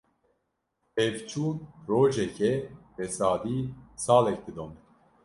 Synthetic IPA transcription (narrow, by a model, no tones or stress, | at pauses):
ɛvt͡ʃʰuːnroːʒɛkʰɛbɛsɑːd̪iːsɑːlɛk̚d̪ɨd̪om